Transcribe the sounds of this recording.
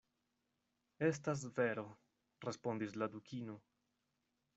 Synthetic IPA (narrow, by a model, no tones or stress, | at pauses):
e̞s̬tas̬ve̞ɾo̞ | ɾe̞spo̞ndisladukʰino̞